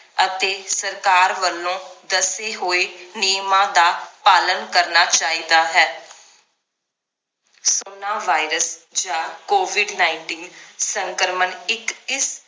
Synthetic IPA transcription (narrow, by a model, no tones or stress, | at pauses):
ət̪eːsəɾkaːɾʋəlːõːd̪əseːɦoːeːnijmãːd̪aːpaːlənkəɾnaːt͡ʃaːiːd̪aːɦɛː | soːnaːʋaːɪɾəsd͡ʒãːkoːʋɪɖnaːɪɳʈiːnsəŋkəɾmənɪkɪs